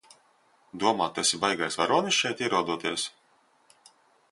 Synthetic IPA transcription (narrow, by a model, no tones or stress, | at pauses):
d̪uɔmaːt̪ːɛsibajɡajsvaɾuɔnisʃɛjt̪iɛɾuɔd̪uɔt̪iɛs